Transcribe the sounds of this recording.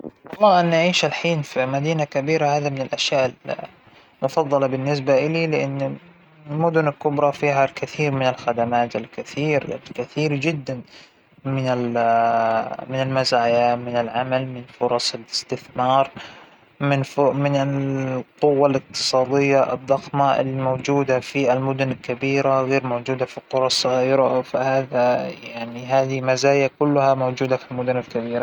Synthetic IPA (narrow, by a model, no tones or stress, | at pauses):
lːɑanːaʕiːʃalħiːnfimad̪iːnakabiːɾahaːðamɪnɪlʔaʃjaːʔɪl | mʊfɑðˤːɑlɑbɪnːɪs̬baʔɪlilɪʔanː | ɪlmʊd̪ʊnɪlkʊbɾˤɑfiːɦalkɪθiːɾmɪnɪlxad̪amaːt̪ɪlkɪθiːɾɪ̰lkɪθiːɾd͡ʒɪd̪ːan | mɪnal | mɪnalmazaːjamɪnɪlʕamalmɪnfʊɾˤɑsˤɪlɪst̪ɪθmɑːɾˤ | mɪnfʊmɪnɪlqʊwːalɪq̚t̪ɨ̥sˤɑːd̪ˤɪjːaʔɨ̰d̪ˤːɑxmaʔɪ̰lːimowd͡ʒuːd̪afialmʊd̪ʊnɪlkabiːɾaɣeːɾmowd͡ʒuːd̪afiqʊɾˤɑsˤːɑɣiːɾafahaːðajaʕniɦaːðimazaːjakʊlːʊhamoːd͡ʒuːd̪afilmʊd̪ʊnɪlkabiːɾa